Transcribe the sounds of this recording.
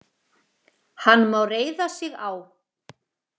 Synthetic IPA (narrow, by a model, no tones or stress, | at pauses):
hanːmawreːjðasɪɣaw